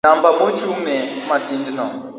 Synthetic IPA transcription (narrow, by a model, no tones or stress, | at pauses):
ambamot͡ʃumɛmasindinɔ